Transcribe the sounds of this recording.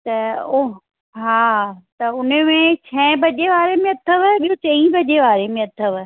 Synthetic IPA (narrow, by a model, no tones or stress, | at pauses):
t̪ɐo | ɦaːt̪ɐʊn̤əmẽt͡ɕʰɛ̃bɐʄeʋaːɾemẽɐt̪ʰəʋəɓijɦõt͡ɕɐ̃ĩbɐʄeʋaːɾemẽɐt̪ʰəʋə